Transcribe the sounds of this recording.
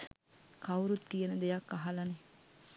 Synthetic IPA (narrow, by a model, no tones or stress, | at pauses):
kɐwɾut̪ːijenəd̪ejakːaɦalɐne